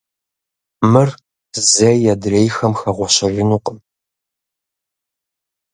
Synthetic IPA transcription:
mɨr | zɐjjɛdrejxɐmxɐʁʷɔɕɐrʷɪnuːqəm

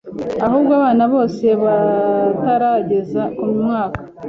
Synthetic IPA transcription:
aɦuːbɡaːβaːnaβo̞ːse̞βataɾaɟe̞zaumumŋaːkḁ

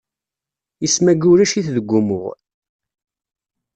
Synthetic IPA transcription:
əsmæɡʊɾæʃiθðəɡʷːʊmʊ̰ʁ

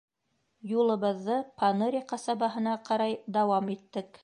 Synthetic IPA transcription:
julˠɤ̆βɤ̆ðːɤpʰɑnɤɾʲiqɑsɑβɑɦɤ̆nɑqɑɾɑjd̪ɑwɑmit̪ːɘk

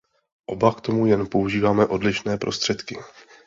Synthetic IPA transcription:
ʔo̞bakt̪o̞mujɛnpo̞uʒiːvaːmɛʔo̞dlɪʃnɛːpɾo̞st̪r̥ɛt̪kɪ

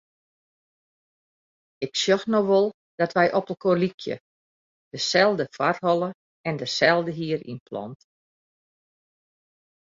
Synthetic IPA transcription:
ɪksjoxnowʋolˠ | d̥ɔtʋɛjʔɔpəlˠkolikʰjə̰ | d̥əsɛlˠdəfarhɔlˠə | ɛndəsɛlˠdəɦiəɾḭnpʰlɔ̰nt

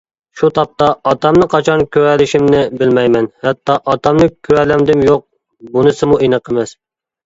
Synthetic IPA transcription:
ʃut̪ʰɑp̚t̪ɑːt̪ɑmnɨqʰɑt͡ʃʰɑnkʲʰøɾælɪʃimnɪbɪlmɛjmɛnhɛt̪ːɑʔːt̪ɑmnɨkʲʰøɾɛlæmd̪ɪmjoq̚ | bunɨsɨmuʔenɨqʰəmɛs

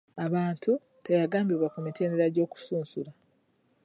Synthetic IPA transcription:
aβaːntʰu | tejaɡaːmbiɾwakumitʰe̞ːndeɾaɟo̞ːku̥suːnsula

